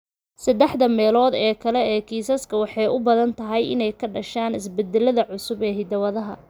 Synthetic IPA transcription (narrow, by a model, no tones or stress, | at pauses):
sɐd̪ɛħd̪ɐmɛːlɔːd̪ɛːkʰɐlɛːkʰiːsɐskʰɐwɑħɑjʔʊbɐðɐnt̪ʰɐɦɛjʔɪ̰nɛjkʰɐɖɐʃaːnɪs̬bɛd̪ɛlɐðɐʕʊsʊbɛːɦɪd̪ɐwɐðɐɦɐ̰